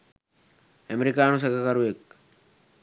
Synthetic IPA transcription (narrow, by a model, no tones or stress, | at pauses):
əmeɾikaːnus̬ekakaɾuek